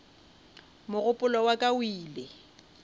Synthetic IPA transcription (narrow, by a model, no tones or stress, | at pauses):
mʊɣʊpʼʊlɔwakʼawiːlɪ